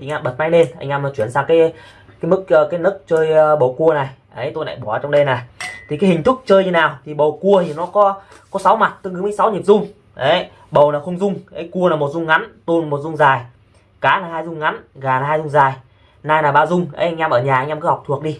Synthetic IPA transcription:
i˨˩ŋ̟ʔaː˧mɓə˨˩t̚ma˧jne˧nʔa˧jŋ̟ʔa˧m˨˩t͡ɕwi˧˩ənsaː˧ŋkaː˨˦j | kaː˨˦jmɨ˦˥k̚əː˧kaː˨˦jnə˦˥k̚t͡ɕəː˧jɓə˨˩wku˧əna˨˩jʔə˨˦jt̪o˧jla̰ː˧˨jɓɔ˧˩˨ə˨˩t͡ɕɔ˧ŋ͡mɗe˧na˨˩jt̪ʰi˨˩ka˨˦jhï˨˩ŋ̟t̪ʰɨ˦˥k͡p̚t͡ɕəː˧j̪i˧naː˨˩wt̪ʰi˨˩ɓə˨˩wku˧ət̪ʰi˨˩nɔ˨˦kɔ˨˦ | kɔ˨˦sa˨˦wma˨˩t̚t̪ɨ˧˦ŋkɨ˨˦mə˨˦sa˨˦wɲi˨˩əp̚zʊ˧ŋ͡m | ʔə˨˦j | ɓə˨˩wnaː˨˩wxə˧wŋ͡mzʊ˧ŋ͡mʔə˨˦jku˧ənaː˨˩mo˨˩t̚zʊ˧ŋ͡mŋa˨˦nt̪o˧nmo˨˩t̚zʊ˧ŋ͡mzaː˨˩j | kaː˨˦naː˨˩haː˧jzʊ˧ŋ͡mŋa˨˦nɣaː˨˩naː˨˩haː˧zʊ˧ŋ͡mzaː˨˩j | naː˧jnaː˨˩ɓaː˧zʊ˧ŋ͡mʔə̰˨˦jʔa˧ŋ̟ʔaː˧mʔəː˧˩ɲaː˨˩ʔŋ̟ʔmkɨ˨˦hk͡pt̪ʰu˨˩ək̚ɗi˧

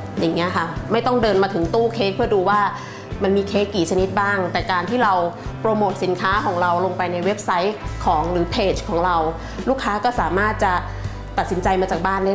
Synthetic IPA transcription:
ja˨˩ŋːi˦˥ɐkʰa˦˥˩ma˥˩jt̪ɔ˥˩ŋdɤː˧nmaː˧t̪ʰɯ˩˦ŋt̪uː˥˩kʰeː˦˥k̚pʰɯ˥˩ɐduː˧waː˥˩ | ma˧nmiː˧kʰeː˦˥kːiː˨˩t͡ɕʰa˧ni˦˥t̪̚baː˥˩ŋt̪ɛː˨˩kaː˧nt̪ʰiː˥˩ɾa˧wpɾoː˧moː˨˩t̪̚si˨˩˦nkʰaː˦˥kʰɔː˩˦ŋɾa˧wlo˧ŋpa˧jna˧jwe˦˥p̚sa˦˥jkʰɔː˩˦ŋɾɯː˩˦pʰeː˨˩t͡ɕkʰɔː˩˦ŋɾa˧w | luː˥˩kʰːaː˦˥kɔː˥˩saː˨˩˦maː˥˩t̪̚t͡ɕa˨˩ | t̪a˨t̪̚si˩˦nt͡ɕa˧jmaː˧t͡ɕaː˨˩k̚baː˥˩nda˥˩

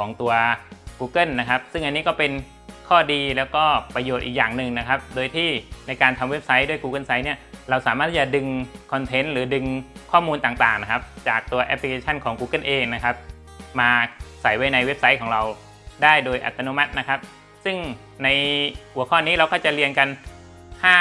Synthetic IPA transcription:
kʰɔː˩˦ŋt̪u˧ɐkuː˧kɤ˥˩nːa˦˥kʰa˦˥p̚sɯ˥˩ŋʔa˧nːiː˦˥kɔː˥˩pe˧n | kʰɔː˥˩diː˧lɛː˦˥wkɔː˥˩pɾa˧joː˨˩t̪̚ʔiː˨˩k̚jaː˨˩ŋnɯ˨˩ŋna˦˥kʰa˦˥p̚doː˧jt̪ʰiː˥˩na˧jkaː˧nt̪ʰa˧mwe˦˥p̚sa˦˥jdu˥˩əjkuː˧kɤ˥˩nsa˦˥jni˥˩ɐɾa˧wsaː˨˦maː˥˩t̪ʰːiː˩t͡ɕa˨˩dɯ˧ŋkʰɔ˧nt̪ʰe˦˥nɾɯː˩˦dɯ˧ŋkʰɔː˥˩muː˧nt̪aː˨˩ŋt̪aː˨˩ŋna˦˥kʰa˦˥p̚t͡ɕaː˨˩k̚t̪u˧ɐʔɛ̰˦˥pʰli˧kʰeː˧t͡ɕʰa˥˩nkʰɔː˩˦ŋkuː˧kɤ˥˩nʔeː˧ŋna˦˥kʰa˦˥p̚ | maː˧sa˨˩˦jwa˦˥jna˧jwe˦˥p̚sa˦˥jkʰɔː˩˦ŋɾa˧w | daː˥˩jdoː˧jʔa̰˨˩t̪ːa˧no˦˥ma˦˥t̪̚na˦˥kʰa˦˥p̚ | sɯ˥˩ŋ | na˧jkʰu˨˩˦ɐkʰɔː˥˩niː˦˥˩ɾa˧wkɔː˥˩t͡ɕa˨˩li˧ənka˧n | hʰaː˥˩

